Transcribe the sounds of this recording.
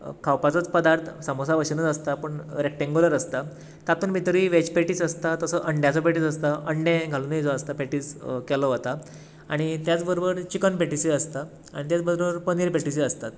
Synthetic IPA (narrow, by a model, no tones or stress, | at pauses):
kʰawpat͡sət͡spəd̪aɾt̪ʰsəmosaʋəɕinət͡səst̪apəɳɾekʈeŋɡoləɾəst̪a | k̪at̪uːnmit̪əɾiːʋet͡ɕpeʈiːsəst̪at̪əsəʔəɳɖjat͡səpeʈiːsəst̪aʔəɳɖẽɡʱalunid͡zɔəst̪apeʈiːskɛlɔɦot̪a | aɽ̃it̪jat͡sbəɾobəɾt͡ɕikənpeʈisiəst̪a | a̰ɽit̪jat͡sbəd̪ɾoəɾpəniɾpeʈisiəst̪at̪